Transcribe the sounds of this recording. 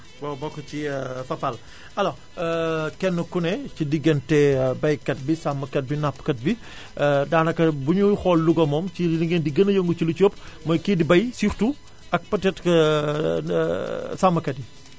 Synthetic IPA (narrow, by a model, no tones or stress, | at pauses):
bɔbɔkːɐt͡ʃifɐfɐl | ɐlɔ | kɛnːəkunɛt͡ʃidiɡɐntɛbɐjkɐt̚bisamːɐkɐt̚binapːkɐt̚bi | daːnɐkːɐbuɲuxɔlːuɡɔmɔmt͡ʃiliŋɡendiɡɐnɐjəŋɡut͡ʃilut͡ʃoːpːmɐjkiːdibɐjsiːxtu | ɐk̚pɐtɛtk | samːɐkɐd̚i